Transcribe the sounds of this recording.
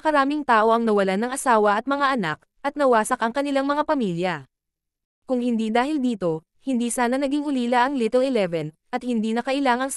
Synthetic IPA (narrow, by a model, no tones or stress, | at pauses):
ɐkɐɾaːmɪŋt̪aːʔo̞ʔɐŋnɐwɐlanɐŋɐsaːwɐʔɐt̪̚mɐŋaʔɐnak̚ | ʔɐt̪̚nɐwaːsɐkʔɐŋkɐnɪlaŋmɐŋapɐmiːljɐ | kʊŋhɪnd̪iːd̪aːhɪld̪iːt̪o̞ | hɪnd̪iːsaːnɐnɐɡiŋʊliːlaʔɐŋlit̪ɛlɪlɛvɛn | ʔɐt̪̚hɪnd̪iːnɐkɐʔɪlaːŋɐns